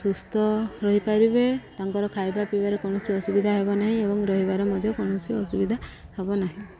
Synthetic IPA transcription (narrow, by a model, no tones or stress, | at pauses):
sust̪ɔɾɔɦipaɾibet̪aŋkɔɾɔkʰajbapibaɾekɔɽ̃ɔsʰiɔsubid̪ʱaɦebɔnaɦĩebɔŋɾɔɦibaɾemɔd̪ʱjɔkɔɽ̃ɔsʰiɔsubid̪ʱahebɔnaɦĩ